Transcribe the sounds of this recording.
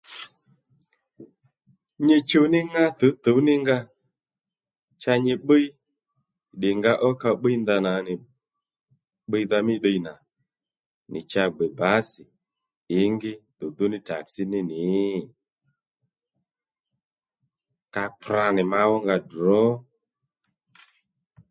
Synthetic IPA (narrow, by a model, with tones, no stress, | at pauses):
ɲɪ˧t͡ʃo˧nɪ˦ŋa˦tə˨˦t̪o˨˦nɪ˦ŋɡa˦ | t͡ʃa˧ɲɪ˧ɓə˦i˦ | ɗɪ˨ŋɡa˧˦ʔɔ˦ka˧ɓə˦i˦nda˧na˨˦nɪ˨ | ɓə˦jða˧mɪ˦ɗə˧ina˨ | nɪ˨t͡ʃa˧ɡ͡bɛ˨ba˨˦sɪ˨ | ɪ˨˦ŋɡɪ˦d̪ʊ˨d̪ʊ˦nɪ˦ta̰˨ksɪ˦nɪ˦nɪ˨˦˨ | ka˧k͡pɾa˧˨nɪ˨ma˧wɔ˦ŋɡa˧dɔ˨˦